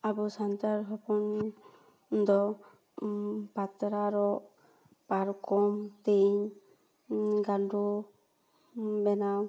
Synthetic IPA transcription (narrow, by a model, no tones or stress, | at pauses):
abusant̪aɾɦɔpɔn | d̪ɔ | pat̪ɾaɾɔʔ | paɾkɔmt̪eɲ | ɡaldu | bɛnaw